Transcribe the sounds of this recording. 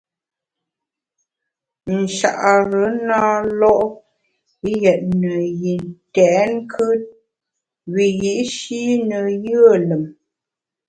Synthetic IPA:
n̩˨ʃa̰˨ʔa˨ɾə˨˦naː˦lɔ˦ʔ | jɛ˨ʔ̚nə˨ji˨ntɛː˨˦ŋ˦kʰə˦ | ɣi˨ji˨ʔʃi˦nə˨jə˦˨lə˨m

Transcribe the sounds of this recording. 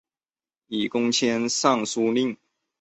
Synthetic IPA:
i˨˩kʊ˥ŋt͡ɕʰjɛ˥nsɑ˥˩ŋsu˥li˥˩ŋ

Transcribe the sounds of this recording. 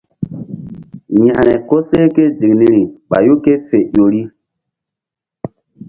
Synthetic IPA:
ɲa˨ɾɛ˨ko˦se˦ke˦d͡ʒi˨kni˦ɾi˨ɓa̰˨ju˦ke˦fe˨jo˨ɾi˦

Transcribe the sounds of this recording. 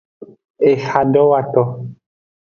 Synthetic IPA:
e˨xa˨ndɔ˦wa˦˨tɔ˨

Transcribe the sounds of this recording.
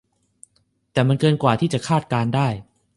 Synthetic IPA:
t̪ɛː˨˩ma˧nkɤː˧nkwaː˨˩t̪ʰiː˥˩t͡ɕa˨˩kʰaː˥˩t̪̚kaː˧ndaː˥˩j

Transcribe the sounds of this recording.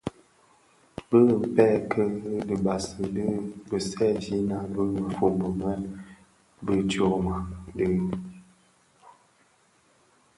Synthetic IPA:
bə˦˨pɛ˦kʰə˦də˨ba˨sə˨də˦bə˨sɛ˦˨d͡ʒi˦na˨bə˦˨fo˨bə˨mɛ˦ | bə˦t͡ʃo˨ma˨də˦

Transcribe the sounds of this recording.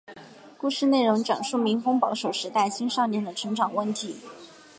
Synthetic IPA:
ku˥˧ʂɻ̩˥˧ne˥˩ɪɻʊ˧˥ŋʈ͡ʂɑ˨˩ŋʂu˥˩mi˧˥ŋfʊ˥ŋpɑ˧˥ʊʂo˨˩ʊʂɻ̩˧˥t̪a˥˩ɪɕi˥nʂɑ˥˧ʊnjɛ˥˩nd̪ə˩ʈ͡ʂʰɤ˧˥ŋʈ͡ʂɑ˨˩ŋwə˥˩nt̪ʰi˧˥

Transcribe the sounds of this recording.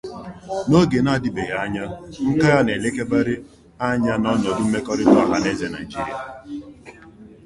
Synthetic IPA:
no˦ɡe˨na˦a˨dɪ˨be˨ɣa˦ɲa˦ŋ̩˦ka˦ɣa˦ne˨le˦ke˦ba˦ɾɪ˦ | a˦ɲa˦nɔ˦nɔ˨dʊ˦m̩˦me˦kɔ˦ɾɪ˦dɔ˦a˨ɦa˦ne˦ze˨na˨i˨d͡ʒi˦ɾi˨a̰˨

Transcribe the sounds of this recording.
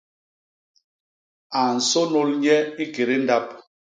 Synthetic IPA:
a˨n̩˨so˦no˦lɲɛ˦i˦ɡe˨ɾe˦n̩˦da˦p̚

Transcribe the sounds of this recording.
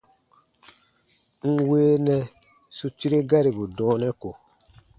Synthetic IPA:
ŋ̩˦˨weː˦nɛ˦ | su˨t͡ʃi˦ɾe˦ɡa˦ɾi˨bu˨dɔ̃ː˨˦nɛ̃˦ko˨

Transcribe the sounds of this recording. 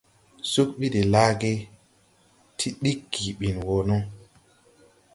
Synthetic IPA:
su˦k̚ɓi˦de˨la˦ɡe˦ | tʰi˦ɗi˦kːi˨ɓi˨nwo˨nɔ˦

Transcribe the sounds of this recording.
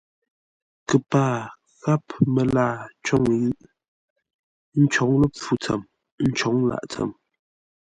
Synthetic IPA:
kə˨paː˦˨ | ɣa˦pmə˨laː˦˨t͡ʃɔ˦˨ŋ˨˦ŋi˦ʔ | n̩˦t͡ʃɔ˨˦ŋlə˦p͡fu˦t͡sə̰˨m | n̩˦t͡ʃɔ˨˦ŋla̰˨ʔt͡sə̰˨m

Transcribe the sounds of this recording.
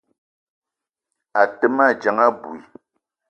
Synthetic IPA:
a˨tə˦ma˦˨d͡ʒa˨ŋa˦bu˨i˨

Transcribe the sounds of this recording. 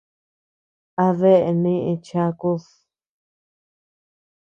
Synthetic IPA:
a˧ðe˦ʔe˧nĩ˦˧ʔĩ˧t͡ʃã˧ku˦s

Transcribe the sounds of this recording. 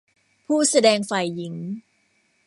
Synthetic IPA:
pʰuː˥˩sa˧dɛː˧ŋfa˨˩jːi˩˦ŋ

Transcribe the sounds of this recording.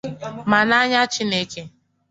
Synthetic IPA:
ma˨na˦ɲa˦t͡ʃi˦ne˦ke˦

